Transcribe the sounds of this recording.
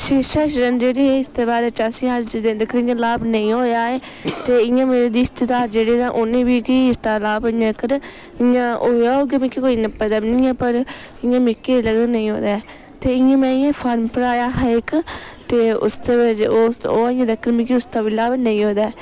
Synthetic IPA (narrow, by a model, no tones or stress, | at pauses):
ʃɪʃaːʃɾənd͡ʒeːɽiːɛːɪst̪eːbaːɾeːt͡ʃaːsĩːaːd͡ʒɪd̪ẽːnd̪ekəɾɪ̃ɲãːlaːbnəĩːɦoːjaːeː | t̪eːɪjãːmeːɾeːd̪iːɪst̪əd̪aːɾd͡ʒeːɽiːd̪ãːʔʊnẽːbiːkɪiɪst̪aːlaːbɪjãəkːəɾ | ɪjãːoːjaːɦoːɡemɪ̃kikoːiːnəpːəd̪əbnĩːɛːpəɾ | ɪjãːmɪkːeːləɡ̪nəĩːɦo̰ːd̪aː | t̪eːɪjãːmɛ̃ːjãːpʰaːɾmpəɾaːjaːɦɛɪkt̪eːʊ̰st̪eːbɪd͡ʒoːoːɪ̃jãːd̪əkːəɾmɪ̃kiʊst̪aːʋiːlaːbnə̃ĩːɦoːd̪aː